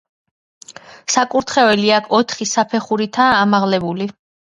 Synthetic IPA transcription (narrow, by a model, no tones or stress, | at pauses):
sakʼuɾt̪ʰχɛvɛliakʰɔt̪ʰχisapʰɛχuɾit̪ʰaːmaʁlɛbuli